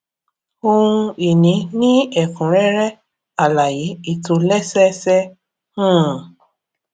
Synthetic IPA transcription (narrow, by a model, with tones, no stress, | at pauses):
o˦˧ũ˧i˨nĩ˨˦nĩ˦ɛ˦˨fũ˨ɾɛ˦ɾɛ˦ | a˦˨la˨ji˨˦i˦˨to˧lɛ˦sɛ˦sɛ˦ | ũ˦˨